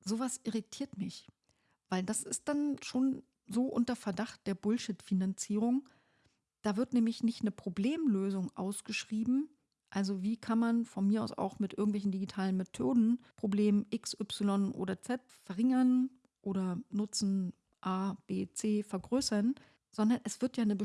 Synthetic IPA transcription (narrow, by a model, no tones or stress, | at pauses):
zoːvasʔɪʁitʰiːɐtmɪç | vaɪldasɪst̚d̥anʃoːn | zoːʔʊntɐfɛɐdaχt̚d̥eːɐbʊlʃɪtfinant͡siːʁ̞ʊŋ | d̥aːvɪɐtnɛːmlɪçnɪçtnəpʁ̥obleːmløːzʊŋʔa̰ʊsɡ̥əʃʁ̥iːbm̩ | ʔalzoviːkʰanmanfɔnmiːɐa̰ʊsa̰ʊxmɪtʔɪɐɡŋ̩tvɛlç̬n̩diɡitʰaːlənmetʰoːdn̩pʁ̥obleːmʔɪksʔʏpsɪlɔnʔo̰ːdɐt͡sɛt | fɛɐʁɪŋɐn | ʔoːɾɐnʊt͡sn̩ | ʔaːb̥eːt͡seːfɛɐɡʁøːsɐn | z̥ɔndɐnʔɛsv̥ɪɐtjaːnəbə